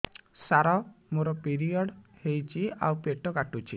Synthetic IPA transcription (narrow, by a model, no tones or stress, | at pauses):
saɾɔmoɾɔpiɾiɔɽhejt͡ʃʰia̰wpeʈɔkaʈut͡ʃʰi